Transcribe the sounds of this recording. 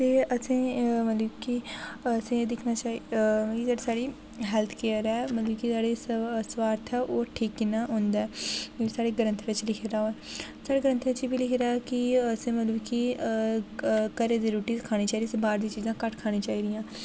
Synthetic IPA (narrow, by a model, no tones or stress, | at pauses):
t̪eːəsẽːmət̪ləbkisẽːd̪ɪkʰnaːt͡ʃaːikisaːɽisaːɽiː | ɦɛːlt̪ʰkeːəɾɛːmət̪ləbkisaːɽeːsʋaːɾt̪ʰɛːʔoːʈʰiːkːɪnaːɦõnd̪aːɛːsaːɽeːɡənə̃nt̪ʰʋɪt͡ʃlɪkʰeːɾaːoɛ | saːɽeːɡəɾənt̪ʰʋɪt͡ʃiːbiːlɪkʰeːɾaːkɪəsẽːmət̪ləbki | kəɾeːd̪eːɾuːʈiːskʰaːɽ̃iːt͡ʃaːiːd̪iːsĩːbaːɾd̪ĩːt͡ʃiːzãːkəʈkʰaːɽ̃ĩːt͡ʃaːiːd̪ijãː